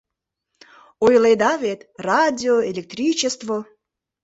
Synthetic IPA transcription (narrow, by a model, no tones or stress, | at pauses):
ojled̪ɑβet̪rɑdʲioelʲek̚t̪rʲit͡ɕest̪vo